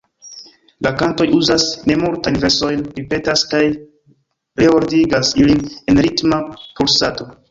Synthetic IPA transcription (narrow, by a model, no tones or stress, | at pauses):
lʔakanto̞juzasne̞multajnve̞so̞jnɾipe̞taskaj | ɾeoɾdiɡasiline̞nɾitmapulsato̞